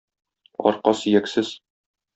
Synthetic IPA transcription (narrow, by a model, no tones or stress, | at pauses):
ɒ̰ɾqɑsĭjæksɘz̥